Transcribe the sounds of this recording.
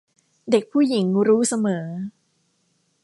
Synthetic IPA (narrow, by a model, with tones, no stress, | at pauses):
de˨˩k̚pʰuː˥˩ji˩˦ŋɾuː˦˥sa˧mɤː˩˦